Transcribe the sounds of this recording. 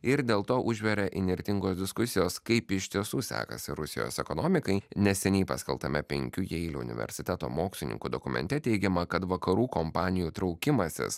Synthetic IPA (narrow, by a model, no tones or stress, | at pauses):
ɪɾd̪ʲeːlˠt̪oːʔʊʒʲʋʲɛɾʲɛʔɪnʲɪɾʲt̪ʲɪŋɡoːsd̪ʲɪskʊsʲɪjoːskɐɪpɪʃʲt̪ʲiɛsuːsʲæ̰ːkɐ̰sʲɪɾʊsʲɪjo̰ːsɛ̰konoːmʲɪkɐɪnʲɛsʲɛnʲɛɪpɐsʲkʲɛ̰lˠt̪ɐmʲɛpʲɛŋʲkʲujɛɪlʲṵʊ̰nʲɪ̰ʋʲɛ̰ɾʲsʲɪt̪ʲɛt̪o̰ːmoːksʲlʲɪnʲɪ̰ŋkud̪okʊmʲɛ̰nʲt̪ʲɛt̪ʲɛɪɡʲɛmɐkɐt̪ʋɐkɐɾuːkompɑːnʲɪjuːt̪ɾɒʊkʲɪmɐsʲɪ̰s